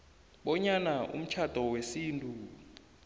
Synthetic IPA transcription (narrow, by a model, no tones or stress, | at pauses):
ɓɔɲanaʔṵm̩t͡ʃʰad̥ʱɔwesiːntʼu